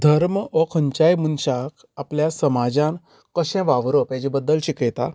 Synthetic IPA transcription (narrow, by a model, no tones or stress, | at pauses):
d̪ʱəɾmɔkʰəɲt͡ɕajmunɕakʰ | apljasəmad͡zãn | kəɕɛ̃ʋaʋɾɔpjãd͡ʑibəd̪ːəlɕiket̪a